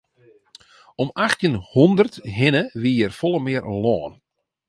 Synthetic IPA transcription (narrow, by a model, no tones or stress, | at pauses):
ɔmaxtjənhɔndərtɦɪnəʋiːjərfɔlˠəmɪərlɔːn